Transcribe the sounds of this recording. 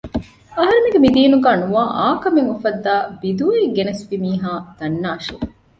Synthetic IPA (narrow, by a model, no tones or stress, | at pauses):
ɐɦɐɾemeɡemid̪iːnuɡaːnuaːʔaːkɐmeŋufɐd̪ːaːbid̪uːiɡenɐsʋimiːɦaːd̪̥ɐnːaːʃe